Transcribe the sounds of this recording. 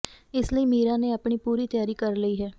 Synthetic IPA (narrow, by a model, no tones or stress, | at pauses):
ɪsləiːmiːɾãːneːaːpɳiːpuːɾiːt̪jaːɾiːkəɾləiːɦɛː